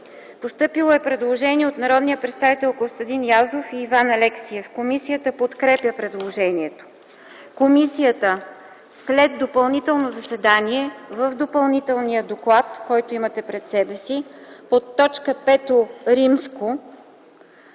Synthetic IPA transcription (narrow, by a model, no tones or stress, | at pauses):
post̪ɤpilˠoɛpɾɛd̪lˠoʒɛniɛot̪nɐɾɔd̪nijəpɾɛt̪st̪avit̪ɛlˠkost̪ɐd̪injazofiːvanɐlɛksiɛfkomisijət̪əpot̪kɾɛpʲjəpɾɛd̪lˠoʒɛniɛt̪o̥ | komisijət̪ə | slɛd̪̚d̪opɐlˠnit̪ɛlˠnozɐsɛd̪aniɛvəvd̪opɐlˠnit̪ɛlˠnijəd̪oklˠat̪kɔjt̪oimɐt̪ɛpɾɛt̪sɛbɛsipot̪ːɔt͡ʃkəpɛt̪oɾimsko